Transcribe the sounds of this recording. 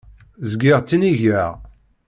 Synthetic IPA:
zɡɪʁt͡sːiniʝæʁ

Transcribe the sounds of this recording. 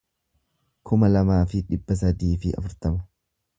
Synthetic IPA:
kʰʊmɐlɐmaːfɪᶑɪbːɐs̬ɐd̪iːfɪɐ̰fʊɾt̪ɐmɐ

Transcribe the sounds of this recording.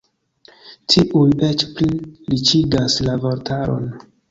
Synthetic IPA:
tʰiʔujet͡ʃplilit͡ʃidaslavoɾtʰaɾo̰n

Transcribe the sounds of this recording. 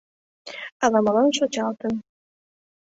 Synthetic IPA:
ɑlɑmɑlɑnʃot͡ɕɑlˠt̪ən

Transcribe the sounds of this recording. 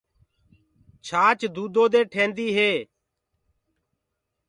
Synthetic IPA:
t͡ʃʰaːt͡ʃd̪uːd̪oːd̪eːʈʰẽːnd̪iːɦeː

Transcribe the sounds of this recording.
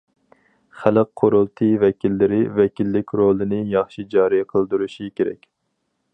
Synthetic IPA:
χæləqʰːoɾolˠt̪ʰɨvɛkʲʰilːɪɾɪvɛkʲʰilːɪkʲɾolˠɨnɪjɑχʃid͡ʒɑːɾijqʰəlˠd̪uɾuʃikʲeɾɛ̰kʲ

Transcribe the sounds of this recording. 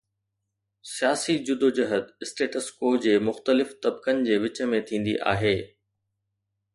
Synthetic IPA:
sijaːsid͡ʑʊd̪ʱod͡ʑɐɦəd̪ɪsʈeːʈəskoːd͡ʑeːmʊxt̪əlɪft̪ɐbkənɪ̆d͡ʑeːʋɪt͡ɕə̆mẽt̪ʰĩːn̆d̪ḭʔa̰ːɦeː

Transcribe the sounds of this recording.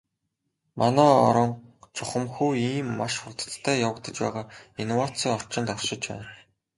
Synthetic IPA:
mʔanæːɔ̰ɾɞ̆ŋt͡sʰʊχə̆mxuːiːmːaʃχʊrt̪ə̥̆t̪ʰːæːjawə̆kt̪ə̆t͡ɕpæ̰ːʁaːinwat͡sʰiːŋɔr̥t͡ɕɪ̆nt̪ɔrʃɪ̆t͡ɕpæ̰ːn

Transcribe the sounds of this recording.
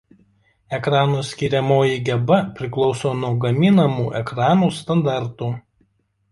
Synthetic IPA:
ɛkɾɑːnoːsʲkʲiːɾʲɛmoːjiɡʲɛbɐpʲɾʲɪklˠɒʊsoːnuɔɡɐmʲiːnɐmuːʔɛkɾɑːnuːst̪ɐnd̪ɑˑɾt̪uː

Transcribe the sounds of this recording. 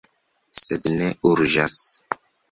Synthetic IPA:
sed̪neʔuɾd͡ʒas

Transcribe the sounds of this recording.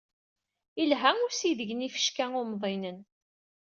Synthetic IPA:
ilɦæŋʊsiðəʝnifə̥ʃkæŋʊɾmðˤinən

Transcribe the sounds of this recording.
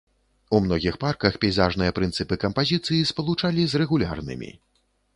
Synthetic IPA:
umnɔɣʲixparkɐxpʲɛjzaʐnɨjɐpɾɨnt̪sɨpɨkɐmpazʲit̪sɨjispɐlˠut͡ʂalʲizrɛɣulʲa̰rnɨ̰mʲḭ

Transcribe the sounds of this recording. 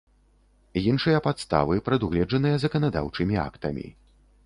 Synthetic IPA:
jinʂɨjɐpat̪st̪a̰vɨpɾɐd̪uɣlʲɛd͡ʐɐnɨjɐzɐkɐnad̪a̰wt͡ʂɨmʲia̰kt̪ɐ̰mʲḭ

